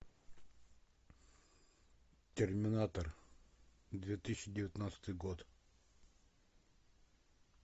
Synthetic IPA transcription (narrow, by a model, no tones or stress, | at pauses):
t̪ʲermʲɪnat̪ər | d̪vʲjet̪ɨɕɪdʲɪvʲɪt̪nat̪sə̥t̪ɨjɡɔt̪